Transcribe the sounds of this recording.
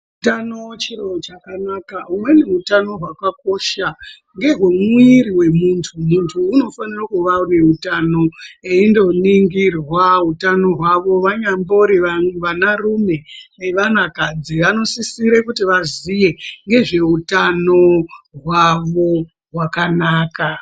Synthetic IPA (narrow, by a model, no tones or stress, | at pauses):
tanot͡ʃirot͡ʃakanakaumwe̞neutano̞ɦwakak̚o̞ʃa | ŋɡe̞ɦwumiɾiwe̞muntʰumuntʰuːno̞fanirakuʋaune̞utano̞eindo̞niŋɡirwaɦutano̞ɦwaʋo̞ʋaɲambo̞ɾiʋaʋanarume̞eʋanakad͡ziʋano̞sisiɾekutiʋazije̞ŋɡe̞ʐe̞utanoɦwaʋo̞ | ɦwakanaːka